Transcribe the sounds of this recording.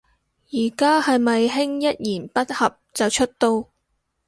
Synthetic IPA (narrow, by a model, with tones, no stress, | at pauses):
jiː˨˩kaː˥hɐ˨jmɐ˨jɦɪ˥ŋjɐ˥t̚jiː˨˩npɐ˥t̚hɐ˨p̚t͡sɐ˨wt͡ʃʰɵ˥t̚t̪o˧w